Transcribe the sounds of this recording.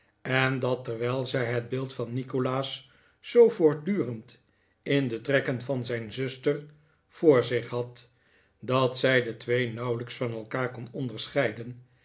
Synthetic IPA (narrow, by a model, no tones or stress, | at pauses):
ɛndɑtɛrʋɛjlˠzɛjɦəd̚bɪːlˠtfɑnːikolaːsː | owvʊːɹ̚dyːrənt | ɪndətrɛkənvɑnzɛjnzɵstər | v̥ʊːɹzɪχɦɑt | dɑtsɛjdətʋejnʌwləksfɑnɛlˠkaːɹkɔnɔndəɹsχɛjdən